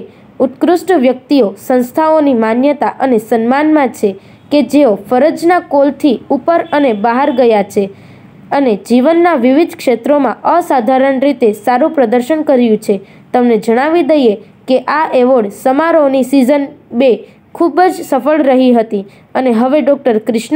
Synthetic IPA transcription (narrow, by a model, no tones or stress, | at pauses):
ut̪kɾusʈʋjək̚t̪iosə̃nst̪ʰaonimanjət̪aʔənesənmanmãt͡ʃʰe | ked͡ʒeofəɾəd͡ʒnakolt̪ʰiupəɾənebaɦəɾɡəjat͡ʃʰe | əned͡ʒiʋənːaʋiʋid̪ʱkʃet̪ɾomãʔəsad̪ʱaɾəɳɾit̪esaɾũpɾəd̪əɾʃənkəɾjũt͡ʃʰe | t̪əmned͡ʒəɽ̃aʋid̪əje | keʔaʔeʋoɭsəmaɾonisizənbe | kʰubd͡ʒsəfəɭɾəɦiɦət̪i | əneɦəʋeɖɔk̚ʈəɾkɾɪʃn